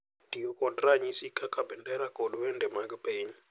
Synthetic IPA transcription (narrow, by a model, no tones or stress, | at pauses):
dijɔkʼɔtʼraɲisikʰakʰabɛndɛɾakɔluwɛndɛmak̬ʼɛpʰʼeɲi